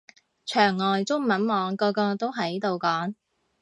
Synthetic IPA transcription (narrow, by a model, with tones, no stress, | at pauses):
t͡ʃʰœː˨˩ŋːɔː˨jt͡sʊ˥ŋmɐ˨˥nmɔː˨˧ŋkɔː˧kɔː˧t̪o˥wɦɐ˨jt̪o˨wkɔː˨˥ŋ